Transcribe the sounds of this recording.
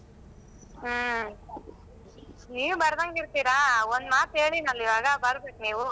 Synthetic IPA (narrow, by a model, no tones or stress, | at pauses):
niːʋubɐɾd̪ɐŋɡiɾt̪iːɾaond̪maːt̪e̞ːɭinɐliʋaːɡɐbɐɾbeːkniːʋu